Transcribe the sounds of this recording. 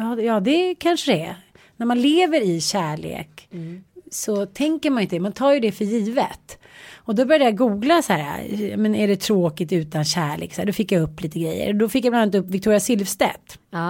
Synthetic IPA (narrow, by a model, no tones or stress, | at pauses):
jɑːjɑːd̪ɛkʰanʂəd̪ɛɛ | næɾmanleːvəɾɪɕæːɭḛːk | sɔt̪ʰɛŋkəɾmanɪnt̪d̪ɛmant̪ʰɑːjɵd̪ɛfœjiːvə̰t̪ | ɔd̪ɔbœɾjad̪jaɡuːɡlasæːɾa̰mɛnæɖɛt̪ʰɾoːkɪt̪ʉ̟ːt̪anɕæːɭḛːksæːɖɔfɪkːjaɵpːliːt̪əɡɾɛjːə̰ɾɔd̪ɔfɪkːjablanːat̪ɵpːvɪkt̪ʰuːɾɪjasɪlvst̪ɛ̰t̪ː